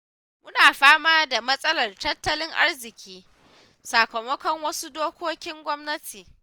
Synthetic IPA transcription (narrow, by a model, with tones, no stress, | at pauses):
mʊ˦naː˨ɸaː˦maː˦da˨mɐ˦sʼɐ˦lɐ˨rtɐ˦tːɐ˦lɪ˦ŋʔa̰˦rzɪ˨kʲiː˦ | saː˨kɐ˨mɔ˦kɔ˨ŋwɐ˦su˦doː˦kʷoː˦kʲɪ˦ŋɡʷɔ˦mnɐ˦tʰiː˨